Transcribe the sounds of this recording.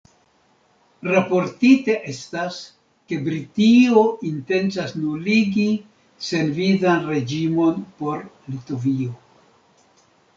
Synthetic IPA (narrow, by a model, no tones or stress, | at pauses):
ɾapo̞ɾtite̞ʔe̞stas | ke̞bɾitio̞ʔinte̞nt͡sasnuliɡi | se̞nvizanɾe̞d͡ʒimo̞npo̞ɾ | lito̞vio̞